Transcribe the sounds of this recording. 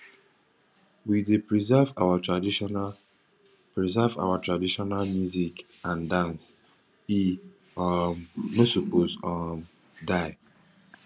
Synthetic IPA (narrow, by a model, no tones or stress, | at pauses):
widepɹizɛvawatɹadin | pɹizava̰watʰɹadiʃɔnalmjuzikãndãns | i | ɔmnosupozɔm | daɪ